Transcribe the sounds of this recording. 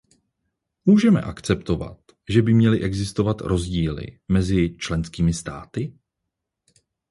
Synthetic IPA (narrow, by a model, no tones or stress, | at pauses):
muːʒɛmɛ̰ʔakt͡sɛpt̪o̞va̰t̪ | ʒɛbɪmɲɛlɪʔɛɡzɪst̪o̞vat̪ɾʔo̞zɟiːlɪ̰mɛzɪt͡ʃlɛnskiːmɪst̪a̰ːt̪ɪ